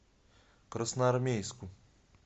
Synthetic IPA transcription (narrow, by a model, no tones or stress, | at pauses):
kɾɐsnɐɐɾmʲejsku